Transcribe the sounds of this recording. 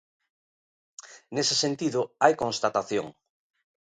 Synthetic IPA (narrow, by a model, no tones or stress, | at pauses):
nesesent̪iðʊajkõnst̪at̪aθjo̰ŋ